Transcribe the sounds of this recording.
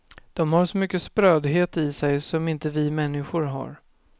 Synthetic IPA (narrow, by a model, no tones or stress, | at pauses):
d̪̥ɔmhaɾʂɔmʏkːəspɾøːd̪ɦeːt̪ɪsɛjsɔmɪnt̪əvɪmɛnːɪɧʊɾɦa̰ɾ